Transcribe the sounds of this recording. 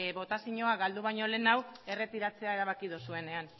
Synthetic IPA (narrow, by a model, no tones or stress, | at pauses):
βo̞t̪asiɲo̞aɣald̪uβajɲo̞le̞nawe̞re̞t̪iɾat͡se̞aeɾaβ̞akið̞usue̞ne̞an